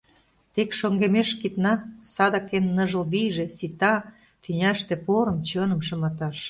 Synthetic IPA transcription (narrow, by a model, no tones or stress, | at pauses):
t̪ekʃoŋɡemeʃkit̪nɑsɑd̪ɑkenːɤ̆ʒə̆lβijʒĕsit̪ɑ | fynʲæʃt̪ĕpoɾə̆mt͡ɕɤnə̆mʃɤ̆mɑt̪ɑʃ